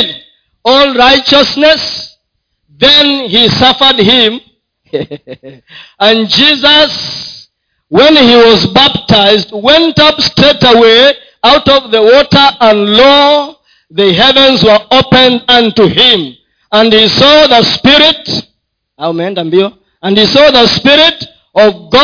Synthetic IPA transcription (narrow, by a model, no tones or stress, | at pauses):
d | ɔlˠɹaɪt͡ʃəsnɛs | ðɨ̃nhisʌfə˞d̚hɪ̃m | ə̃nd͡ʒizəs | wɛ̃nhiwʌzbæp̚tʰaɪzd̚wɛ̃ntʌpstʰɹ̥ɛtəwe | aʊɾʌvðəwɔtə˞ʔə̃nlɔ | ðɨɦɛvə̃nzwə˞opɨ̃ndʌ̃ntuɪ̃m | ə̃nhisɔðəspɪɹɪt | amɛ̃ndãmbi | ə̃nisɔðəspɪɹɪt | ʌvɡɔ